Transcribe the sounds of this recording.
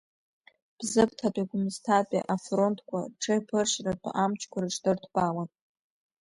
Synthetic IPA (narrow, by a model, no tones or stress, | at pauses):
b̥zɨpʰtʰatʷʼaɡʷʊmɨztʰapʼḭʔafro̞ntʰkʷʰaʈ͡ʂʰɨpʰɨrʃratʷʼʔamt͡ʃʰkʷaɾaʈ͡ʂdɨrtʰbawan